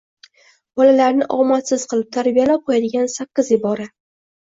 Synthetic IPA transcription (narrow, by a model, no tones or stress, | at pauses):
bɒlalaɾnɪʔɒmat̪sɪz̥qʰɨlˠɪp̚t̪ʰaɾbijalap̚qʰojad̪ɪɡʲansakʲːɪzɪbɒɾa